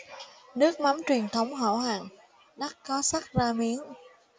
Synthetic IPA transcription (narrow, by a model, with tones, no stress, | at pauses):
nɨ˦˥ək̚ma˨˦mt͡ɕwi˨˩ənt̪ʰə˨˦wŋ͡mɦo̰˧˩ɦa̰ː˧˨ŋ | ɗa˦˥k̚kɔ˨˦sa˦˥k̚zaː˧mi˨˦ən